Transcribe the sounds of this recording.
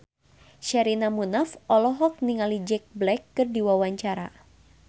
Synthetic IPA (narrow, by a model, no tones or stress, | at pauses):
ʃaɾinamunafʔɔlɔɦɔk̚niŋalid͡ʒɛk̚blɛkːɨrdiwawaɲt͡ʃaɾa̰